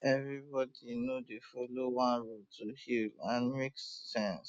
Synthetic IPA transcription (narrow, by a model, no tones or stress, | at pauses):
ɛvɹibɔdinodefolowãnɹotuhilãnmeksːɛ̃ns